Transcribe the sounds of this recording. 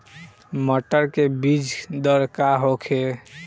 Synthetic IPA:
məʈəɾkebid͡ʒʱd̪əɾkaɦokʰe

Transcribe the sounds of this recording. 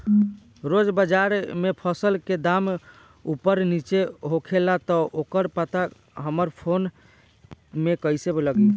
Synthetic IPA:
ɾod͡ʒbəd͡ʒaɾmepʰəsəlked̪am | upəɾnit͡ʃeɦokʰelat̪ɔʔokəɾpət̪a | ɦəməɾpʰon | mekəjsebləɡit̪

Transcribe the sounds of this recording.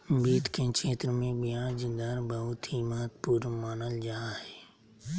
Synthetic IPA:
biːt̪kẽkʃeːt̪ɾəmẽbijãːd͡ʒd̪əɾbəɦʊt̪ɦimaːt̪̚puɾmaːnəld͡ʒaːɦɛː

